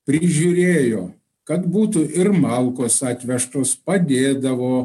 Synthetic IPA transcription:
pʲɾʲɪʒʲuːɾʲeːjoː | kɐt̪buːt̪ʊʔɪɾmɑlˠkoːsɑːt̪ʲʋʲɛʃt̪oːspɐd̪ʲeːd̪ɐʋoː

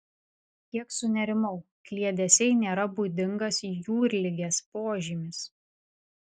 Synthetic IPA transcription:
k̪ʲiɛksʊnʲɛɾʲɪmɐʊ | klʲiɛd̪ʲɛsʲɛɪnʲeːɾɐbuːd̪ʲɪŋɡɐsjuːɾʲlʲɪɡʲeːspoːʒʲimʲɪs

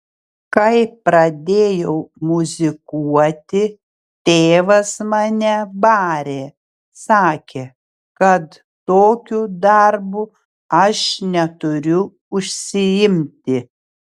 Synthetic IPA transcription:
kɐɪpɾɐd̪ʲeːjɛʊmʊzʲɪkuɔt̪ʲɪ | t̪ʲeːʋɐsmɑːnʲɛbɑːɾʲeː | sɑːkʲeː | kɐt̪ | t̪oːkʲuːd̪ɐɾbu | ɐʃnʲɛt̪ʊɾʲʊ | ʊʃʲsʲɪɪmʲt̪ʲɪ

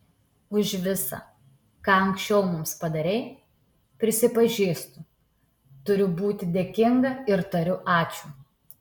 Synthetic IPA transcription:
ʊʃʋʲɪsɐ̰ | kɑːɐŋkʃʲt͡ʃʲɛʊmʊmspɐd̪ɐɾʲɛɪ | pʲɾʲɪsʲɪpɐʒʲiːst̪ʊ | t̪ʊɾʲʊbuːt̪ʲɪd̪ʲeɛkʲɪŋɡɐɪɾt̪ɐɾʲʊʔɑːt͡ʃʲuː

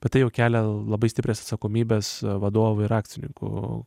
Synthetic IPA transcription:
b̥ʲɛt̪t̪ɐɪjɛʊkʲæːlʲɛlˠɐbɐɪsʲt̪ʲɪpʲɾʲeːsɐt̪sɐkoːmʲiːbʲeːsʋɐd̪oːʋʊɪɾɑːkt̪t͡s̪ʲɪnʲɪ̰ŋkʊ̰

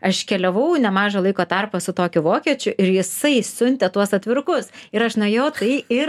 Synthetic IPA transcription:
ɐʃkʲɛlʲɛʋɐʊnʲɛmɑːʒɐlˠɐɪkoːt̪ɐrpɐsʊt̪oːkʲʊʋoːkʲiɛt͡ʃʲʊʔɪɾjɪsɐɪsʊnʲt̪ʲɛt̪uɔsɐt̪ʲʋʲɪɾkʊsɪɾɐʃnɐjoːt̪ɐɪɪ

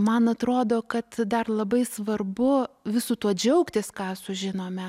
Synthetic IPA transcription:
mɐnɐt̪ɾoːd̪oːkɐt̪d̪ɐrlˠɐbɐɪsʋɐrbʊʋʲɪsuːt̪uɔd͡ʒʲɛʊkt̪ʲɪskɑːsʊʒʲɪnoːmʲɛ

